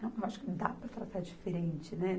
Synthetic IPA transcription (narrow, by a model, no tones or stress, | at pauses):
ɐ̃ewaʃʊ̥kɪ̃d̪apɾɐt̪ɾat̪aɾd͡ʒifeɾẽnt͡ʃɪnɛ